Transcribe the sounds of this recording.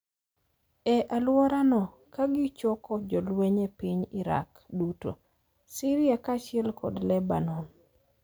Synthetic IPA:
ɛʔalwɔɾanɔ | kaɡɪt͡ʃɔkɔd͡ʒɔlweɲepiɲɪɾa̰k | duto̰ | siɾɪakat͡ʃɪɛlkɔ̰dlɛba̰nɔn

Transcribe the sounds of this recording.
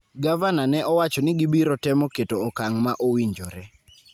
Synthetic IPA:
ɡavananɛʔɔwat͡ʃɔnɪɡibiɾɔtɛmɔketoːkaŋmaʔowiɲd͡ʒɔɾɛ

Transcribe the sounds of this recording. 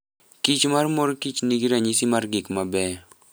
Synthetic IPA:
kit͡ʃmarmoɾkit͡ʃniɡiɾaɲisimarɡɪkmabɛ

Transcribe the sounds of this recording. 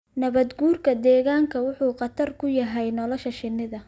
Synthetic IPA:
nɐβɐd̪ɡuːrkʰɐd̪ɛːɣaːŋkʰɐwʊħuːqɑt̪ʰɐrkʰʊjɐɦɛjnɔlɔʃɐʃɪnɪðɐ

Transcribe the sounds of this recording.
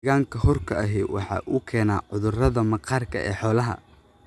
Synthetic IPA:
ɣaːŋkʰɐhɔrkʰɐɐɦɛːwɑ̰ħɑ̰ːʔuːkʰɛːnaːʕʊðʊrɐðɐmɐqɑːrkʰɐʔɛ̰ːħɔːlɐɦɐ̰

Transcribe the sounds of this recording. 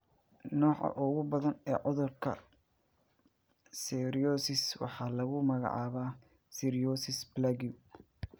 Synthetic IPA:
nɔːʕɐ̰ʔʊɣʊbɐðɐnɛːʕʊðʊrkʰɐ̰ | sɛɾiɔːsɪswɑ̰ħɑːlɐɣʊmɐɣɑ̰ʕɑ̰ːβaː | siɾɪjɔːsɪsblaɡiʊ

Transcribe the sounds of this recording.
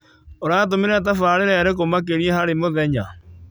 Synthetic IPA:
oɾaːt̬omeɾɛt̬afaːɾeɾɛaɾekomak̬eɾiɛhaɾemoðɛɲa

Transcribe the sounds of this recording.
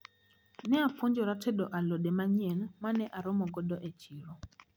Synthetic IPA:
nɛap̪fʰund͡ʒɔɾatʰɛɗɔʔalɔɗɛmaɲɛnmanɛʔaɾɔmɔɡɔdɔʔɛt͡ʃʰiːɺɔ

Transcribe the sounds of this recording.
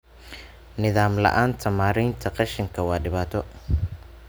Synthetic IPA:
nɪðaːmlɐ̰ʔaːnt̪ʰɐmaːɾiːnt̪ʰɐqɑʃɪŋkʰɐwɑːɖɪβaːt̪ʰɔ

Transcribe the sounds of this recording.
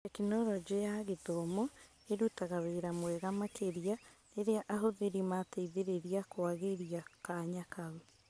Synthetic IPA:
ekinɔɾɔd͡ʒejaɣetomɔ | eɾutaɣaweɾamwɛɣamakʰeɾia | eɾeaʔaɦoðeɾimateiðeɾeɾiakwaɣeɾiakaɲakau

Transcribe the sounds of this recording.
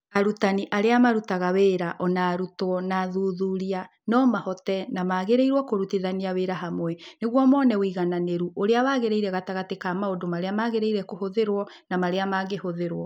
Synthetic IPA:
aɾutaniʔaɾeamaɾutaɣaweːɾaʔɔnaːɾutwɔnaðuðuɾia | nɔmahɔtɛnamaːɣeɾeiɾwɔkoɾutiðaniaweɾaɦamwɛneɣwɔmɔnɛwiɣananeɾuʔoɾeawaːɣeɾeiɾɛɣataɣatekamaodomaɾeamaːɣeɾeiɾɛkohoðeɾwɔ | namaɾeamaɣehoðeɾwɔ

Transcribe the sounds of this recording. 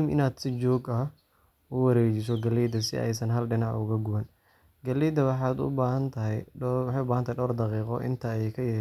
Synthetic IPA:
mɪ̰naːd̪̥sɪt͡ʃɔːɡɐ | ʊwɑɾɛːt͡ʃɪs̬ɔɡɐliːd̪ɐsɪ̰ʔɛ̰jsɐnɦɐlɖɪnɐʔʊɣɐɡʊwɐn | ɡɐliːd̪ɐwɑħɑːd̪ʊ̰baːhɐnt̪ʰɐɦɛjwɑħejʊbaːhɐnt̪ʰaːjɖɔːrd̪ɑqiːqɔʔɪ̰nt̪ʰɐkʰɐjɐ

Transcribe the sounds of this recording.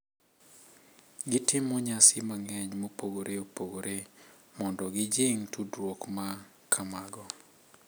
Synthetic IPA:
ɡɪtɪmɔɲasɪmaŋɛɲmopoɡoɾeopoɡoɾʔemɔndɔɡɪd͡ʒɪŋtʰudwokma | kʰamaɡɔ

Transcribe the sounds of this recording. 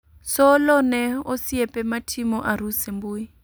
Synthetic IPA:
sɔlɔnɛosiɛpʼɛmatʰimɔʔaɾusembuːi

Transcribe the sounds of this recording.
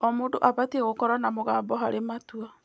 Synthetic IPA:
ɔmoːdo̰ʔaβatieɣokɔɾanamoɣaːmbɔɦaɾematua

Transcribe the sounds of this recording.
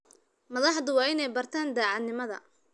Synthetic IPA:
mɐðɑħðʊwɑːɪnɛjbɐrt̪ʰaːnd̪aːʕɑd̪nɪmɐðɐ̰

